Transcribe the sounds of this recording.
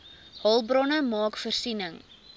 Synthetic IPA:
hɐlˠbrɔnəmɑːkfərsinəŋ

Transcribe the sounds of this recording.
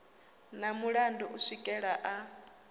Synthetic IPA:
namuɺandɔʔuʂikʼɛɺaʔa

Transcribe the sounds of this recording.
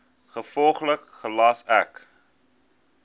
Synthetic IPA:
χəfɔlˠχləkχəlɑsæk

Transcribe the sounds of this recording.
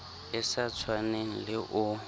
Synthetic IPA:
ɪsat͡sʰwaneŋ̩lɪʔʊ

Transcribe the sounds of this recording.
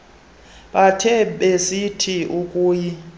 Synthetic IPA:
ɓatʰɛɓesitʰiʔukʼuːji

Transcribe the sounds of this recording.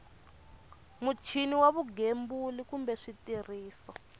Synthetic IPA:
mut͡ʃʰiniwaβuɡembulikumbɛʂitiriːsɔ

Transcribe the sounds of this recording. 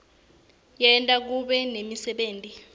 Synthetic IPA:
jɛntʼak̬uɓɛnemisɛɓeːntʼi

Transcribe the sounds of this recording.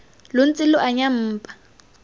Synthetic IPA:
lʊn̩t͡sʼɪlʊʔaɲam̩ːpʼḁ

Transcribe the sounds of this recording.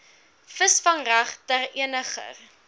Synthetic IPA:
fəsfɐŋræχtæriənəχə̰r

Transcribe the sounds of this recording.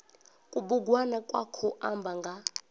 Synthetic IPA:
kʼuɓuɡwanakʼwakʰɔʔambʱaŋɡʱa

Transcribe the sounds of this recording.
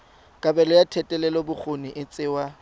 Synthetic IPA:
kʼabɛlɔjatʰɛtʼɛlɛlɔbʊk͡xʰonɪʔɪt͡sʼɪwa

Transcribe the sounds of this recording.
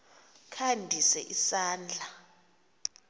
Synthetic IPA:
kʰandʱisɛʔisaːnd͡ɮʱa

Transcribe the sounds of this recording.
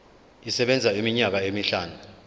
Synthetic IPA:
isɛɓɛnd͡zʱaimiɲak̬aemiɬaːnu

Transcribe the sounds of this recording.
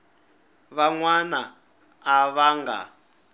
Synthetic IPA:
βaŋwanaː | βaŋɡa̰

